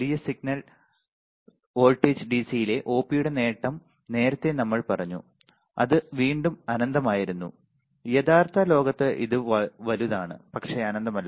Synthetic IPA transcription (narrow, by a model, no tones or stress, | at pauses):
ɾijɐsiɡ̚nɐɭ | o̞ːlʈːeːd͡ʑɨɖisijile̞ʔo̞ːpːijuɽe̞ne̞ːʈːɐm | ne̞ːɾɐt̪ːe̞nɐmːɐɭpɐrɐɲːṵ | ɐ̰ðɨʋiːɳɖumɐnɐnd̪ɐmaːjiɾunːṵ | jɐðaːrt̪ɐlo̞ːɡɐt̪ːɨʔḭðɨʋɐluðaːɳɨ̰pɐkʂe̞ɐnɐnd̪ɐmɐlːɐ